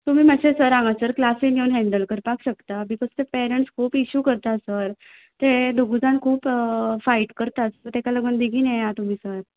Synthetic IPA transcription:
t̪um̤iːməɕesəɾãŋɡasəɾklasinewnɦɛ̃ɳɖəlkəɾpakɕəkt̪abikɔd͡zt̪epɛɾəɳʈskʰuːpiɕuːkəɾt̪asəɾ | t̪ed̪uɡud͡zankʰuːpfaiʈkəɾt̪asəɾt̪ekaləɡənd̪iɡʱiːnejat̪um̤iːsəɾ

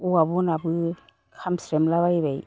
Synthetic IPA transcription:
uabɔnabɯ | kʰamsɾemlaβajbaj

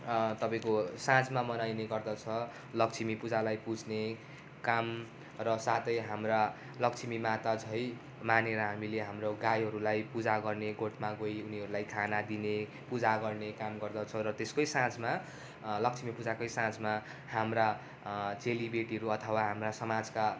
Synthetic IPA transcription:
t̪ʌpaĩkosãt͡smamʌnajneɡʌrd̪ʌt͡sʰʌ | lʌk̚t͡sʰimipud͡zalajpud͡zʱne | kam | rʌsat̪ʌjɦamra | lʌkt͡sʰimimat̪at͡sʰʌj | maneɾʌɦamileɦamroɡajɦʌɾulajpud͡zaɡʌrneɡoʈʰmaɡojuniɦʌɾulajk̪ʰanad̪ine | pud͡zaɡʌrnekamɡʌrd̪ʌt͡sʰʌɾʌt̪eskʌjsãt͡sma | lʌk̚t͡sʰimipud͡zakʌjsãt͡sma | hamra | t͡selibeʈiɦʌɾuʌt̪ʰʌwaɦamrasʌmad͡zka

